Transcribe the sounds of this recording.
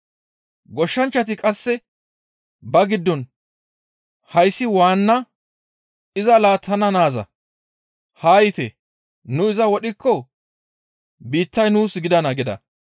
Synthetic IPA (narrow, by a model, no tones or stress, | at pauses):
ɡɔʃːɐnt͡ʃːɐt̪ɪkʼɐsːɛ | bɐɡɪd̪ːɔn | hɐjsːɪwaːnːɐ | ɪzɐlaːt̪ʰːɐnɐnaːzɐ̰ | haːjɪt̪ɛ | nʊɪzɐwɔɗɪkːɔ | biːt̪ːɐjnuːsɡɪd̪ɐnɐɡɪd̪ɐ̰